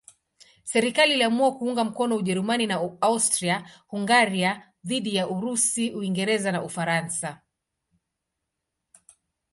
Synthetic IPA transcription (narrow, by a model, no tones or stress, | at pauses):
sɛɾikaliːliamuakuuŋɡam̩kɔnɔuʄɛɾumaninaaustɾiahuŋɡaɾia | ðiɗijaʔuɾusiuiŋɡɛɾɛzanaufaɾansa